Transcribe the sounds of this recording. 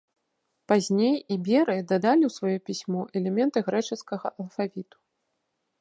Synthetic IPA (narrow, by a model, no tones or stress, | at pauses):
pazʲnʲejibʲɛɾɨd̪ad̪alʲiwsvajupʲisʲmɔʔɛlʲɛmʲɛnt̪ɨɣɾɛt͡ʂɨskɐɣɐʔɐlˠfavʲit̪u̥